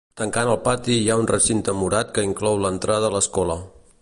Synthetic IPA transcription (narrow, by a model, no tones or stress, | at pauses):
t̪əŋkanəlˠpat̪iijaunrəsint̪əmuɾat̪kəiŋklɔwlənt̪ɾað̞əːləskɔlə